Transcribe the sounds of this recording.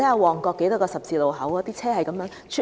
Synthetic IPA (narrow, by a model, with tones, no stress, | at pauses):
e˨˥ɐ˨˧wɔː˨˩ŋkɔː˧kːe˨˥jt̪ɔ˥kɔː˧sɐ˨p̚t͡siː˧lo˨wɦɐ˨˥wɔ˨˧˥t̪iː˥t͡sʰɛː˥hɐ˨jkɐ˨˥mjœː˨˥ŋt͡ʃʰy˥